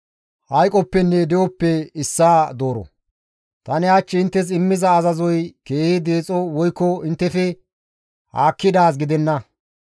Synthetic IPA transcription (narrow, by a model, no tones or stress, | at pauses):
hɐjkʼɔpːɛnːɛd̪ɛwɔpːɛɪsːaːd̪o̞ːɾɔ̰ | t̪ɐnɪaːt͡ʃːɪɪnt̪ːɛs̬ɪmːɪzɐːzɐzɔjkeːhɪd̪eːt͡sʼːɔwɔjkːɔɪnt̪ːɛfɛ | haːkːɪd̪aːs̬ɡɪd̪ɛnːɐ